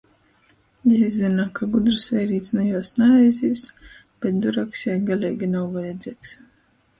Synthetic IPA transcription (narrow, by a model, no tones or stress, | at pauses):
jaizʲzinakaɡud̪ɾɨsvʲɛjɾiːt̪snajuɔsnaɛjzʲiːs | b̥ʲɛt̪̚d̪uɾaksjajɡalʲɛjɡʲinawvajɛd̪zʲiɛks